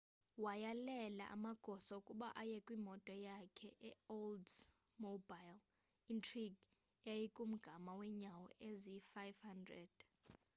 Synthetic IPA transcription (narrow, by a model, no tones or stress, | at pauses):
wajalɛla̰ʔa̰maɡ̥ʱɔsɔukʼuɓaʔajɛkʼwimɔtʼɔjakʰɛʔɛold | mobajl | intʰʼriɡ | jajikʼum̩ɡ̥ʱamawɛɲawɔ̰ʔezifajvhandrɛ̰d̥